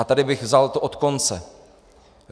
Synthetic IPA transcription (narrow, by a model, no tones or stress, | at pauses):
at̪adɪbɪɣvzalt̪oʔot̪ko̞nt͡sɛ